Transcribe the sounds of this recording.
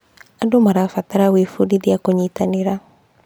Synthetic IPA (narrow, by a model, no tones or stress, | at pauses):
adomaɾafataɾaweːfudiðiakoɲiːtaneɾa